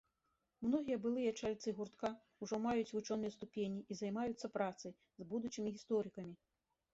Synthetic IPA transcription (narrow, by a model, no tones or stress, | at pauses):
mnɔɣʲijɐbɨlˠɨjɐt͡ʂalʲt̪sɨɣurt̪ka | uʐɔmajut͡sʲvut͡ʂɔnɨjɛst̪upʲenʲiʔizajmajut̪sːɐpɾat̪sɨj | zbud̪ut͡ʃimʲiɣʲist̪ɔɾɨkɐmʲi